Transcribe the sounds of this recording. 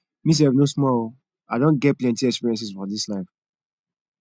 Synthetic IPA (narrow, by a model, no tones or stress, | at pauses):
mis̬ɛvnosmɔl | aɪdõnɡɛt̚plɛ̃ntiɛkspiɹiɛ̃ns̬isfɔdislaɪf